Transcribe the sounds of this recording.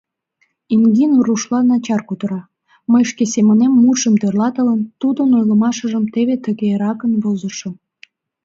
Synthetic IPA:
iŋɡinuruʃlɑnɑt͡ɕɑrkut̪əɾɑ | məjʃkesemənemːuʃəmt̪ørlɑt̪ələnt̪ud̪ənojləmɑʃə̆ʒəmt̪eβet̪əɣeɾɑkənβozəʃə̆

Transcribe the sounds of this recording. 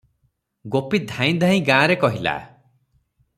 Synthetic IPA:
ɡopid̪ʱãj̃d̪ʱãĩɡãːɾekɔɦila̰

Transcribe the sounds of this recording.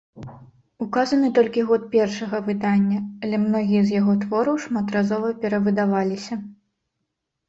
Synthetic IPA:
ukazɐnɨt̪ɔlʲkʲiɣɔt̪̚pʲɛrʂɐɣɐvɨd̪anʲːɐːlʲɛmnɔɣʲijɐzjaɣɔt̪vɔɾɐwʂmat̪razɔvɐpʲɛɾɐvɨd̪avalʲisʲɐ

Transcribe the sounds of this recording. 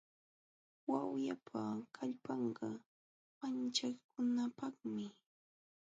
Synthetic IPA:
wawjapʰakʰaʎpɑɴɢɑ | mant͡ʃaχkʊnapɑχmɪ

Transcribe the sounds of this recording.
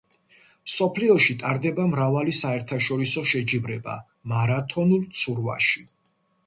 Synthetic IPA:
msɔpʰliɔʃit̪ʼaɾd̪ɛbamɾavalisaɛɾt̪ʰaʃɔɾisɔʃɛd͡ʒivɾɛba̰ | maɾat̪ʰɔnulˠt̪sʰuɾva̰ʃi

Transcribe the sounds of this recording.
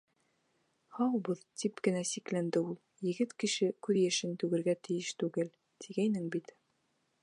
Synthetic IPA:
hɑwbɤðt̪ʰipkɘ̆næsiklænd̪ɘulˠjɘ̆ɡɘt̪kɘ̆ʃɘkʉðjæʃɘnt̪ʉɡɘ̆ɾɡæt̪ɘ̆jɘʃt̪ʉɡɘl | t̪ʰiɡæjnɘŋbit̪

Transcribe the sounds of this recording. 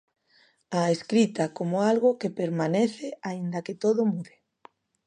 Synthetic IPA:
aeskɾit̪akomoalɣʊkepeɾmaneθɪaind̪ɐket̪oðʊmuðe

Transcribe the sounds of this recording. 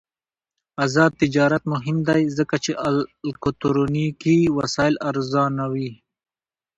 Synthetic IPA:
azɑːd̪̚t̪ɪd͡ʒɑːɾat̪̚mʊɦɪmd̪ajzəkat͡ʃeʔalkot̪oɾonikiwasɑɪlaɾzɑnawi

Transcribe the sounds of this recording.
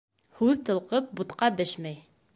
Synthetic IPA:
hʉðt̪ɤ̆lˠqɤp̚but̪qɑbɘʃmæj

